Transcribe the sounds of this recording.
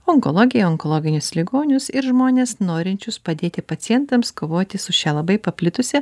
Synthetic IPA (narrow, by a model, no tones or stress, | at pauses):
ɔŋko̰lˠoːɡʲɪjɛɔŋkolˠoːɡʲɪnʲʊslʲɪɡoːnʲʊsɪɾʒmoːnʲeːsnoːɾʲɪnʲt͡ʃʲʊspɐd̪ʲeːt̪ʲɪpɐt̪sʲɪjɛnt̪ɐmskoːʋoːt̪ʲɪsʊʃʲɛlˠɐbɐɪpɐpʲlʲɪt̪ʊsʲɛ